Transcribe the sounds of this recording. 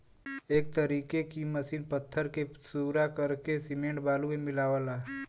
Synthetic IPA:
eːk̚t̪əɾiːkekiməsiːnpət̪ʰːəɾkesuɾakəɾkesɪmẽːɳʈbaːlumẽmɪlaːʋəlaː

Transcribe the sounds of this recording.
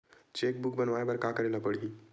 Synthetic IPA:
t͡ʃeːk̚bʊk̚bənʋaːebɐɾkakəɾenapəɽi

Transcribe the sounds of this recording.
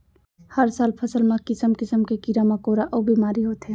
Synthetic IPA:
həɾsaːlpʰəsəlmekɪsəmkɪsəmkekiɾamekoɾaʔobimaːɾiɦoːt̪ɦe

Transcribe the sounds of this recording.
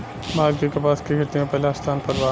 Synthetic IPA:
maːɾɡikepaːskeɡʱɐt̪imẽpɛɦlast̪ʰaːnpɐɾʋaː

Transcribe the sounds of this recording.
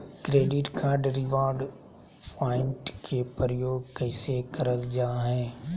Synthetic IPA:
kɾeːɖɪʈkʰaːɾɖɾɪʋaːɾɖ | pʰaːɪ̃ɳʈkʰepəɾəjoːɡkɛɪsekɐɾəld͡ʒaːɦɛ̃ː

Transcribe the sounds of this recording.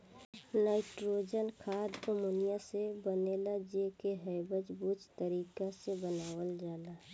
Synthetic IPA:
naːɪʈɾoːd͡ʒənkʰaːd̪omonijasebəneːlad͡ʒekeɦəɪbəd͡ʒbut͡ʃt̪əɾiːkasebənaːwəld͡ʒaːlaː

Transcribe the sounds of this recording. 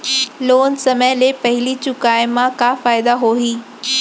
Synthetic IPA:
loːnsɐməlepɐɦɪlit͡ɕʊkaːɪmãkãfaːɪd̪aɦoːɦiː

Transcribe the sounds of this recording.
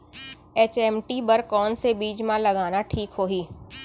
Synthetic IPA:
eːt͡ʃɛːmʈibəɾkɔːnsebiːd͡ʒmãlɐɡaːnaʈʰiːkɦoːɦiː

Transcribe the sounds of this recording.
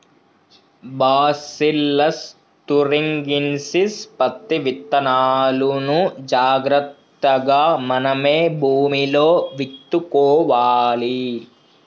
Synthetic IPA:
baːsilːɐs | t̪uɾiŋɡinsispɐt̪ːiʋit̪ːɐnaːlunud͡ʒaːɡɾɐt̪ːɐɡaːmɐnɐmeːbʱuːmiloːʋit̪ːukɔːʋaːli

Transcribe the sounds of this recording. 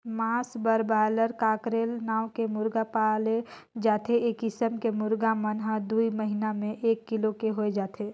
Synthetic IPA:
maːsbəɾbaːləɾkaːkɾeːlnaːʊkemʊɾɡapaːle | d͡ʒaːt̪ʰeeːkɪsəmkemʊɾɡamənɦəd̪uiməɦinamẽʔeːkːɪlokeɦoed͡ʒaːt̪ʰeː

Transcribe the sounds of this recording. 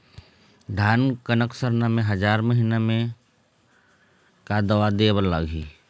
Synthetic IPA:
d̪ʱaːnkənəksəɾnamẽɦɐd͡ʒaːɾməɦinamẽ | kad̪əʋad̪eːbəɾlaːɡʱḭː

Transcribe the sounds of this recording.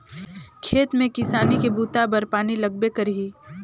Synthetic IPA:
kʰeːt̪mẽkɪsaːnikebuːt̪abɐɾpaːnilɐɡ̚bekɐɾɦiː

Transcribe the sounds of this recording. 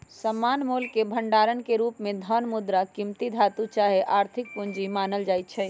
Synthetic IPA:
səmːanmolkebʱəɳɖaɾənkeɾupmẽd̪ʱənmud̪ɾakimt̪id̪ʱat̪ut͡ʃaɦeʔaɾt̪ʰik̚puɲd͡ʒimanəld͡ʒajt̪̚t͡ʃʰɛ

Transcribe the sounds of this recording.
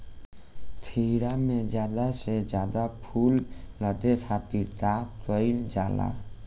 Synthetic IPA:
t̪ʰiɾamed͡ʒad̪aʃed͡ʑad̪apʰulnɔd̪et̪ʰat̪iɾt̪at̪ojld͡ʑala̰

